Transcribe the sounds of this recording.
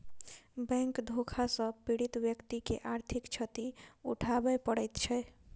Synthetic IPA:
bɛ̃ŋkd̪ʱokʰasə̃piɽit̪bjəkt̪ikḛʔaɾt̪ʰikt͡ʃʰət̪iṵʈʰabɛpəɽəjt̪t͡ʃʰɛ

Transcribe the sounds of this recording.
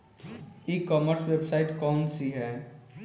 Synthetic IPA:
ikɔːməɾswebsaːɪʈkɔːnsiɦɛː

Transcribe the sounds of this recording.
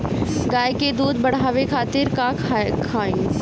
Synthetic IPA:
ɡaːjked̪uːd̪̚bɐɽ̤ɦaːʋekʰaːt̪ɪɾka | kʰaːĩ

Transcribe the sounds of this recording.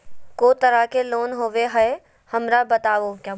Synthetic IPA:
koːt̪ɐɾakeloːnɦoːʋeɦɐe | hɐmɾabɐt̪aːʋokjaː

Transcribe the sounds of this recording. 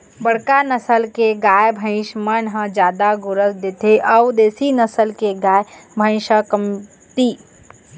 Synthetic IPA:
bəɽkanɐsəlkeɡaːjbʱə̃ɪ̃ʃmənɦə̃d͡ʒjaːd̪aɡʊɾəsd̪ɪt̪ʰeʔɐwd̪eːsinɐsəlkeɡaːjbʱə̃ɪ̃ʃəkəm | t̪iː

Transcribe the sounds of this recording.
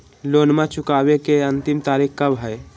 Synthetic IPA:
loːnmãt͡ʃʊkabekeənt̪ɪmt̪aːɾikkəbɦəj

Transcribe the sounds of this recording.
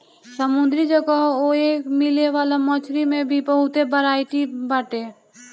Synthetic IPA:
səmʊ̃nd̪ɾid͡ʒəɡaɦoeːkmɪleʋaːlamɔːt͡ʃʰɾimẽbʱibəɦʊt̪ebəɾaːɪʈibaːʈeː

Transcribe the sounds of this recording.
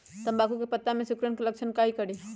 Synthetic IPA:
t̪əmbaːkukepət̪ːamẽsʊkɾənkelɐkʃənkaːikəɽiː

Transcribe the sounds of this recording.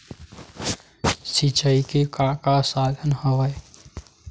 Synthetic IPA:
sit͡ʃəikekakasad̪ʱənhəʋəj

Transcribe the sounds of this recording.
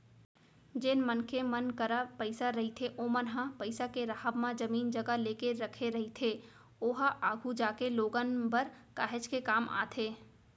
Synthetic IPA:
d͡ʒeːnmənkemənkəɾapəɪsaɾɐɦit̪ʰeʔomənɦãpəɪsakeɾaɦəbmãd͡ʒəmiːnd͡ʒɐɡaleːkeɾɐkʰeɾɐɦit̪ʰe | oːɦaʔaːɡʱud͡ʒaːkeloːɡənbəɾkaːɦɪd͡ʒkekaːmʔa̰ːt̪ʰeː

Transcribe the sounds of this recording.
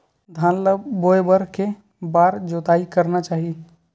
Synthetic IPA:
d̪ʱãːnləboːjbəɾke | baːɾd͡ʒoːt̪aːikəɾnat͡ʃaːɦi

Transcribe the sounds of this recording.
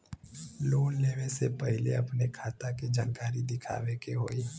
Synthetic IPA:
loːnleːʋesepɛɦɪleɐpnekʰaːt̪aked͡ʒaːnkaːɾid̪ɪkʰa̰ːʋekeɦo̰ːiː

